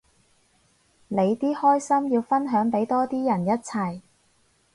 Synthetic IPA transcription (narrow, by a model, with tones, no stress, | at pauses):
le˨˧jt̪iː˥hɔː˥jsɐ˥mjiː˧wfɐ˥nɦœː˨˥ŋpe˨˥jt̪ɔː˥t̪iː˥jɐ˨˩njɐ˥t̚t͡sʰɐ˨˩j